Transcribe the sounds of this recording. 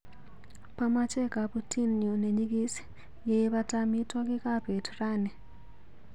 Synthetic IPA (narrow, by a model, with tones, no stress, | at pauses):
pamat͡ʃe˦ka˨putʰi˦nɲu˨ne˨ɲi˦ki˦si̥ | jeʋa˦tami˦to˦ki˦ka˦bʱe˨tʰura˦˨ne˨